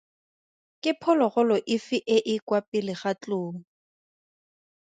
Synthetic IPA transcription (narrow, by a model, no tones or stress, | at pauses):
kʼɪpʰɔlɔɣʊlɔʔɪfɪʔɪʔɪkwapʼɪlɪχat͡ɬʊːŋ̩